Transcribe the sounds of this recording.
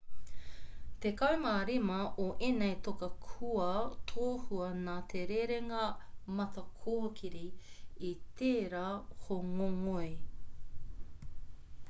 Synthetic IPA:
t̪ekɐwmaːɾimɐʔoʔenejt̪okɐkʰuɐt̪ʰoːhuɐnaːt̪ʰeɾeɾeŋɐmɐt̪ɐkʰoːkʰiɾiit̪eːɾaːhoŋoŋoe

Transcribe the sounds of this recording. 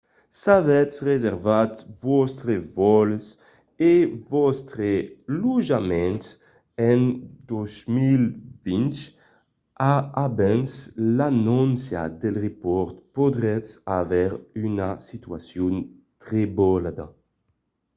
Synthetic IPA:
savɛsʁezɛʁvat̪vɔst̪ɾevɔls | evɔst̪ɾeluʒamɛns | ɛnd̪ozmilvint͡ʃ | aːbɛnslanɔnsja̰d̪ɛlʁepɔɾt̪pod̪ʁɛt͡savɛɾynasit̪yasjun | t̪ʁebɔlad̪a̰

